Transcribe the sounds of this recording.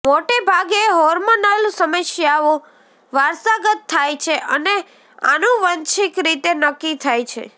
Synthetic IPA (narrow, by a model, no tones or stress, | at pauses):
moʈebʱaɡeɦɔɾmonəlsəməʃjao | ʋaɾsaɡət̪ʰːajt͡ʃʰeʔəne | a̰nũʋənt͡ʃikɾit̪enəkːit̪ʰajt͡ʃʰḛ